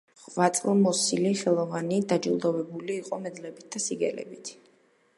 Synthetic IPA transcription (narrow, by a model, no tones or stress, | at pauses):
χvat̪sʼlˠmɔsiliχɛlˠɔvanid̪ad͡ʒulˠd̪ɔvɛbuliːqʼɔmɛd̪lɛbit̪̚d̪asiɡɛlɛ̰bit̪ʰ